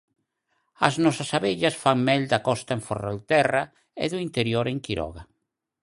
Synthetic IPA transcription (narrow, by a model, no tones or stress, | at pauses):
ɐ̰znɔsasaβeʎɐsfaŋmɛld̪akɔst̪aeɱforḛlt̪ɛra | ḛðʊint̪eɾjoɾeŋkiɾɔ̰ɣa